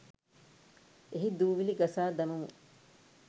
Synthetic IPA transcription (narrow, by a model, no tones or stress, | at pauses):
eɦid̪uːʋiliɡɐsaːd̪ɐmumu